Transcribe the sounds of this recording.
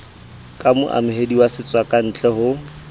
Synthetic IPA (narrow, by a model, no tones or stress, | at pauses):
kʼamʊʔa̰mʊɦediwasɪt͡sʼwakʼan̩t͡ɬʼɛhʊ